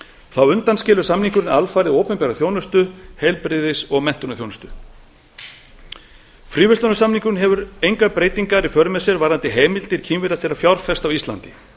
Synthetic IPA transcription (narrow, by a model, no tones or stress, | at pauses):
θawʏnt̪anscɪːlʏsamniŋkʏɾɪnalfaːjɾɪðoːwpʏmpɛɾaθjoːwnʏst̪ʏhejlpɾɪːðɪsɔɣmɛn̥t̪ʏnaθjownʏst̪ʏ | fɾiːvʏst̪ɔnasamniŋkʏnɦɛvʏɾejŋkaðpɾeːjt̪iŋkaɾifœɾʏmɛsɛɾvaːɾant̪ɪɦeːmɪlt̪ɪɾ̥cʰiːmvɪɾat̪ʰɪɾafjawɾfɛst̪awist̪la̰nt̪ɪ